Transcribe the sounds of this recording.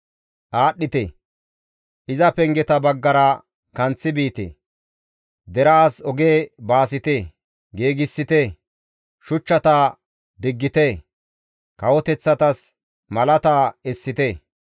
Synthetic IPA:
ʔaːɗːɪt̪ḛ | ʔɪzɐpɛŋɡɛt̪ɐbɐɡːɐɾɐ | kɐnt͡sːɪbiːt̪ḛː | d̪ɛɾɐːsɔɡeːbaːsɪt̪eː | ɡeːɡɪsːɪt̪e | ʃʊt͡ʃːɐt̪aː | d̪ɪɡːɪt̪e | kɐwɔt̪ɛt͡sːɐt̪ɐs | mɐlɐt̪aːɛsːɪt̪e

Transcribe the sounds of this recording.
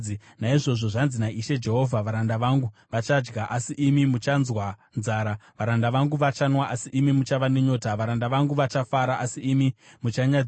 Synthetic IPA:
i | naiʐo̞ʐo̞ʐanzinaiʃe̞d͡ʒe̞ɦo̞vʱaʋaɾandaʋaŋɡuʋat͡ʃad͡ʒɡaʔasiʔimimut͡ʃanzwanzaːɾaʋaɾandaʋaŋɡuʋat͡ʃanwaʔasiʔimimut͡ʃaʋane̞ɲo̞ːtaʋaɾandaʋaŋɡuʋat͡ʃafaɾaʔasiimimut͡ʃaɲa

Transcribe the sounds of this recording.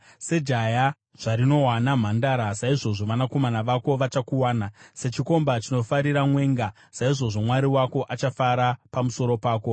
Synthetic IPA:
se̞d͡ʒaja | ʐ̥aɾino̞wanam̤andaɾasaiʐo̞ʐo̞ʋanako̞manaʋako̞ʋat͡ʃakuwaːnase̞t͡ʃiko̞mbat͡ʃino̞faɾiɾamwe̞ːŋɡa | saiʐo̞ʐo̞mwaɾiwako̞ʔat͡ʃafaɾapamuso̞ɾo̞paːko̞

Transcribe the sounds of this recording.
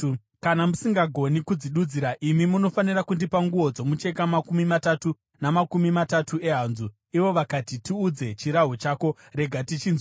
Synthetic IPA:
kanamusiŋɡaɡʱo̞nikud͡ziɗud͡ziɾaʔimimuno̞fanirakundipaŋɡuʋo̞d͡zo̞mut͡ʃe̞kamakumimatatu | namakumimatatue̞ɦanzu | iʋo̞ʋakatitiud͡ze̞t͡ʃiɾaɦot͡ʃaːko̞ | ɾe̞ɡʱatit͡ʃinz

